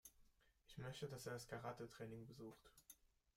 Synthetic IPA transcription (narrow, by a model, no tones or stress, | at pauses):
ʔɪçmœçtədaseːɐdaskʰaʁaːtətʁ̥ɛːnɪŋbəzuːxt